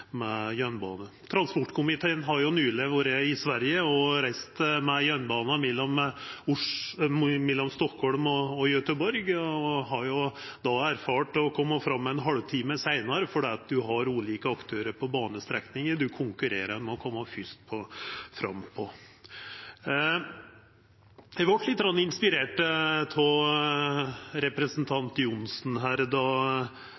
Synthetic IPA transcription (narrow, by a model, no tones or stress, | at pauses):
mɛjœnbɑ̰ːnə | t̪ʰɾɑnspɔʈːkʰʊmɪt̪ʰeːənɦɑɾjʊnyːləʋoːɾəɪsʋæɾjəɔɾæɪst̪mɛjœnbɑːnəmɛlːɔmʊʂ | mɛlːɔmst̪ɔkhɔɭmɔɔjœt̪əbɔɾɡɔɦɑɾjʊd̪ɑæɾfɑːʈɔkʰɔmːɑfɾɑmːɛɛnɦɑɽʋt̪ʰiːməsæɪnɑɾəfɔɖɛːɑt̪̚d̪ʉɦɑɾuːliːkəɑkt̪ʰøːɾəɾpʰɔbɑːnəst̪ɾɛknɪŋəd̪ʉkʰʊŋkʉɾeːɾəɾmɛɔkʰɔmːɑfʏst̪̚pʰɔfɾɑ̰mːpʰɔ | ɛʋɑʈːlɪt̪̚ːɡɾɑnːɪnspɪɾeːʈpʰɔ | ɾɛpɾəsnt̪ʰɑnt̪jʊnsnɦæːɾd̪ɑ